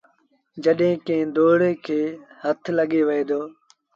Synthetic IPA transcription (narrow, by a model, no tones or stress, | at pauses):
d͡ʒəɗɦẽːkẽːd̪oːɽeːkʰeːhət̪ʰləɠeːʋəeːd̪oː